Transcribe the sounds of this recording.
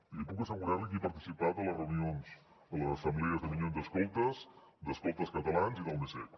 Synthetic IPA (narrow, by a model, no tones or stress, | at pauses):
ipukəsəɣuɾaɾləkipəɾt̪i̥sipat̪ələrəunionz | ələzəsəmblɛəzðəmilonzd̪əskɔlˠt̪əsd̪əskɔlˠt̪əskət̪əlanziðəlˠmesɛ̰